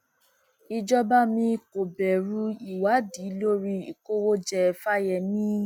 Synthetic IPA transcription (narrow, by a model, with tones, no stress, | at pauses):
i˧d͡ʒɔ˦ba˦mĩ˧˦ko˨bɛ˨ɾu˧˦i˦˨wa˨˦di˨˦lo˦ɾi˧i˨ko˦wo˦d͡ʒɛ˧˨fa˦jɛ˨nĩ˦